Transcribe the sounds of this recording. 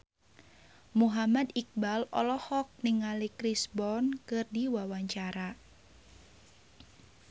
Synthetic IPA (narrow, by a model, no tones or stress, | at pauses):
muɦamad̪ik̚balɔ̰lɔhɔk̚niŋalikɾisbɔnkɨrdiwawaɲt͡ʃaɾa